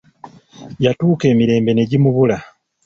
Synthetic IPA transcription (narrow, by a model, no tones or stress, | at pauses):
jatuːke̞ːmiɾe̞ːmbe̞ne̞ɟimuβula